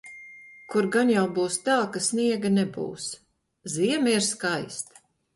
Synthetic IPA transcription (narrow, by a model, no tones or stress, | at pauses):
kuɾɡanjawbuːst̪aːkasniɛɡanɛbṵːs | ziɛmiɾskajst̪